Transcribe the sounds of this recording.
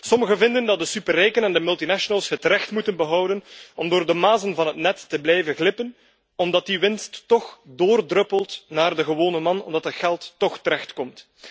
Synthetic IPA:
sɔməɣəvɪndəndɑt̚dəsypərɛjkənɛndəmɵlˠtinaʃonəlˠsɦətrɛxtmutənbəɦʌwdənɔmdoːrdəmaːzənvɑnɦətnɛtːəblɛjvəɣlɪpən | ɔmdɑt̚diʋɪnstːɔxdoːrdrɵpəlˠtnaːrdəɣəʋoːnəmɑnɔ̰mdɑtɦətxɛlˠtːɔxtəɾɛxtkɔmt

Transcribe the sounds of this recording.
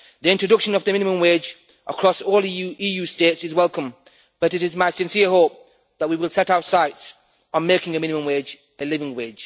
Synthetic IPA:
ðiɪ̃ntɹɨdʌkʃə̃nʌvðɨmɪ̃nɨmə̃mweɪd͡ʒ | ʔəkʰɹ̥ɔsɔːlˠijusteɪtsɨzwɛlˠkə̃m | b̥ʌɾɨɾɨzmaɪsɨ̃nsiəɦoʊp̚ | ðət̚wiwɪlˠsɛɾaʊsaɪts | ə̃n̩meɪkɪ̃ŋɨmɪ̃nɨmə̃mweɪd͡ʒ | ɨlɪvɪ̃ŋweɪ̥d͡ʒ̥

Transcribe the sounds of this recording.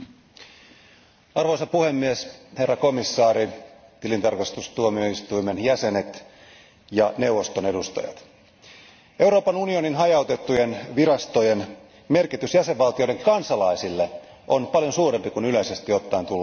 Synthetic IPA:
ɑrʋoisɑpuhemːieshe̞rːɑko̞misːɑːɾit̪ilint̪ɑrkɑst̪ust̪uomioist̪uimenjæse̞ne̞t̪ | jɑnewʋost̪one̞dust̪ɑ̰jɑ̰t̪ | e̞uɾoːpɑnunioninɦɑjɑwt̪e̞t̪ːujenʋiɾɑst̪ojen | me̞rkit̪ysjæseʋʋɑlt̪ijoiɾeŋkɑnsɑlɑisilːe | ʔonpɑljonsuːrempikunyleise̞st̪iot̪ːɑint̪ulː

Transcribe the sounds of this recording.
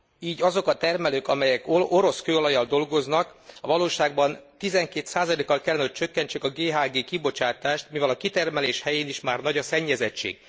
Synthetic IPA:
iːɟɒzo̞kɒt̪ɛrmɛløːkɒmɛjɛkoʔoɾo̞skøːolɒjɒld̪o̞lɡo̞znɒkɒvɒloːʃaːɡ̚bɒnt̪izɛŋkeːt̪saːzɒleːkːɒlkɛlːɛnɛɦoc̚t͡ʃø̞kːɛɲt͡ʃekɒɡeːɦaːɡeːkibo̞t͡ʃaːt̪aːʃt̪mivɛlɒkit̪ɛrmɛleːʃhɛjeːniʃmaːrnɒɟɒsɛɲːɛzɛt͡ʃːḛːɡ̥̚

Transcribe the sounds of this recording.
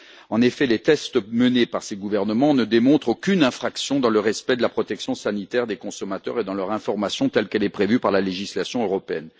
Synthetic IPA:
ɑ̃nefɛlet̪ɛst̪mənepaʁseɡuvɛʁnəmɑ̃nəd̪emɔ̃t̪χokʲynɛ̃fχaksjɔ̃d̪ɑ̃ləʁɛspɛd̪əlapχɔt̪ɛksjɔ̃sanit̪ɛʁd̪ekɔ̃sɔmat̪œ̰ʁed̪ɑ̃lœʁɛ̃fɔʁmasjɔ̃t̪ɛlkɛlɛpχevypaʁlaleʒislasjɔ̃øʁɔpeɛn

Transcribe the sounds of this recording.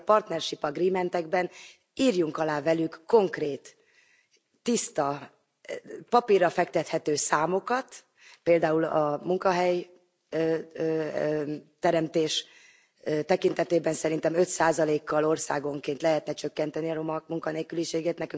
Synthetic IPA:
pɒrt̪nɛrʃipɒɡriːmɛnt̪ɛɡbɛn | iːrjuŋkɒlaːvɛlykːo̞ŋkreːt̪ | ist̪ɒ | pɒpirɒfɛkt̪ɛt̪hɛt̪øːsaːmo̞kɒt̪ | peːld̪aːulɒmuŋkɒɦɛj | t̪ɛɾɛmt̪eːʃ | t̪ɛkint̪ɛt̪eːbɛnsɛɾin̪t̪ɛmø̞t̪saːzɒleːkːɒlo̞rsaːɡo̞ŋkeːnt̪lɛɦɛt̪nɛt͡ʃø̞kːɛnt̪ɛniɒɾomɒkmuŋkɒneːkyliʃeːɡeːt̪nɛkyŋ

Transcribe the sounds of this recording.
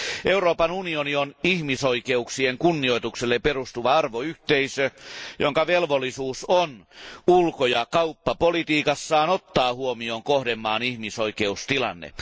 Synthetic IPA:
ʔeuroːpɑnunionionihmisoikeuksieŋkunːio̞it̪ukselːeperust̪uʋɑɑrʋoyht̪eisøjo̰ŋkɑʋelʋolːisuːsonulkojɑkɑupːɑpolit̪iːkɑsːɑːnot̪ːɑːhuomioːŋkohdemːɑːnihmisoikeust̪ilɑ̰nːḛ

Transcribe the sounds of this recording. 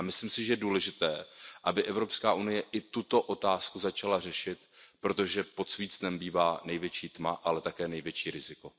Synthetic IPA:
amɪslɪmsɪʒɛjɛduːlɛʒɪt̪ɛːʔabɪʔɛvɾo̞pskaːʔunɪjɛʔɪt̪ut̪o̞ʔo̞t̪aːskuzat͡ʃalarɛʃɪt̪pɾo̞t̪o̞ʒɛpo̞t̪sviːt͡snɛmbiːvaːnɛjvjɛt͡ʃiːt̪maʔalɛt̪akɛːnɛjvjɛt͡ʃiːɾɪzɪko̞

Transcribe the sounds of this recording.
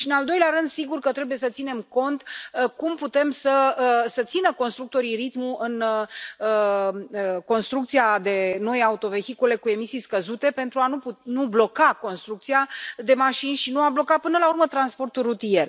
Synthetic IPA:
ʃiɨnald̪o̞jleaɾɨnd̪siɡurkət̪ɾe̞bujesət̪sine̞mko̞nt̪kumput̪e̞msəsət̪sinəko̞nst̪ɾuk̚t̪o̞ɾirit̪muɨnəəko̞nst̪ɾukt̪siad̪e̞no̞jaut̪o̞ve̞xikule̞kue̞misijskəzut̪e̞pe̞nt̪ɾuanupnublo̞kako̞nst̪ɾuk̚t̪sijad̪e̞maʃinʲʃinuablo̞kapɨnəlaurmət̪ɾanspo̞rt̪ulrut̪ije̞r

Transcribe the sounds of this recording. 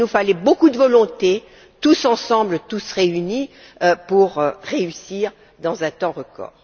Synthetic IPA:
nufalɛbokud̪əvɔlɔ̃t̪e | t̪usɑ̃sɑ̃blət̪usʁeyni | puʁʁeysiːʁ | d̪ɑ̃zɛ̃t̪ɑ̃ʁəkɔ̰ːʁ

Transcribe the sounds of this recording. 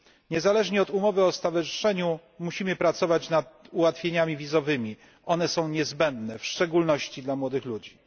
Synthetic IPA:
ɲɛzalɛʐɲɛɔt̪umɔvɘɔst̪avaʐɘʂɛɲu | muɕimɘpɾat̪sɔvat͡ɕnad̪̚uwat̪fʲeɲamʲivʲizɔvɘmʲi | ʔɔnɛsɔ̃w̃ɲɛzbɛnd̪nɛfʂt͡ʂɛɡulnɔɕt͡ɕid̪lamwɔd̪ɘxlud͡ʑi

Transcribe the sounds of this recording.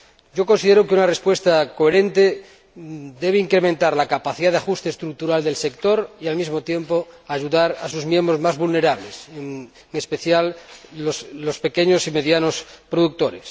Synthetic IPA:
ɟ͡ʝo̞kõnsið̞eɾokeunarespwe̞st̪akoeɾẽ̞nt̪e | d̪e̞βeiŋkɾemẽnt̪aɾlakapaθiðaðeaxust̪eːst̪ɾuk̚t̪uɾald̪e̞lse̞kt̪o̞ɾialmizmot̪je̞mpoaʝuðaɾasuzmje̞mbɾozmazβulne̞ɾaβleseŋ | ŋespeθjaloslospe̞keɲosime̞ðjano̞spɾoðuk̚t̪o̞ɾes

